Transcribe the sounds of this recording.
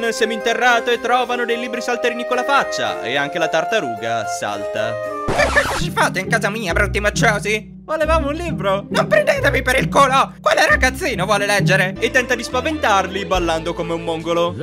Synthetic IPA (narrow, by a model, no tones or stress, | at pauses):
nsɛmint̪erːaːt̪oet̪ːɾɔːvanod̪ejliːbɾisalt̪eɾiːnikonlafat͡ʃːa̰ḛaŋk̟elat̪art̪aɾuːɡa̰sa̰lt̪a̰ekːɛkːot͡ʃifaːt̪ːeiŋkaːzamiːabɾɔt̪ːimat͡ʃːɔːzi | volevaːmounliːbɾonompɾend̪eːt̪emipeɾilkolɔkwelːɛrːaɡat̪sːiːnovwɔːlelɛd͡ʒːeɾeet̪ːɛnt̪ad̪ispavent̪arlibalːand̪okomeumːoŋɡolo